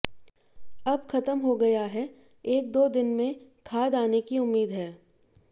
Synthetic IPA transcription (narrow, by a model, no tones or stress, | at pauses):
ɐbxɐt̪əmɦoɡɐjaɦɛ | eːk̚d̪oːd̪ɪnmẽkʰaːd̪aːnekiʊmːiːd̪ɦɛː